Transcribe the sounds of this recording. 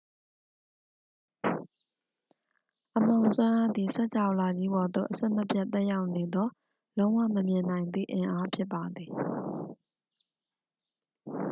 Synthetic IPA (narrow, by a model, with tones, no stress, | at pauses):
ʔəm̥õ˨ʊ̃swã˦ʔa˦d̪i˨sɛ˦ʔt͡ɕʰa˨ʊla˨d͡ʑi˦bɔ˨d̪o̰˦˨ʔəsɛ̃˦˨məpʰja˦ʔt̪ɛ˦ja˦ʊʔne˨d̪ɔ˦ | lõ˦ʊ̃wa̰˦˨məmjɪ̃˨nã˨ɪ̃nd̪ḭ˦˨ʔɪ̃˨ʔa˦pʰjɪ˦pːa˨d̪ði˨